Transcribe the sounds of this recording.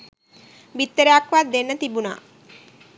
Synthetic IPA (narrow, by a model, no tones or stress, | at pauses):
bit̪ːəɾeakʋad̪enːət̪ibuna̰ː